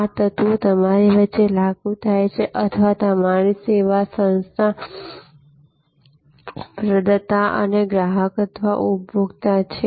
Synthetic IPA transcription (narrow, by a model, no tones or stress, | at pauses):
at̪ət̪ut̪əmaɾiʋətːelaɡũt̪ʰajt͡ʃʰeʔət̪ʰəʋat̪amaɽ̃iseʋasə̃nst̪ʰa | pɾəd̪ət̪aʔə̰neɡɾaɦəkət̪ʰʋa̰ʔubbʱoɡt̪at͡ʃʰe